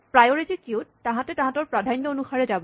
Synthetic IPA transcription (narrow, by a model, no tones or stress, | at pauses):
pɹajoɹitikiutːãɦãtɛtãɦãtɔɹpɹadʱanjɔonuxaɹɛd͡ʒabɔ